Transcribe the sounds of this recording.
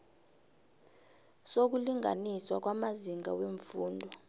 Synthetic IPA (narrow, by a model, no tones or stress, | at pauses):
sok̬uliŋa̰niswak̬wamaziŋaweɱfuːndʱɔ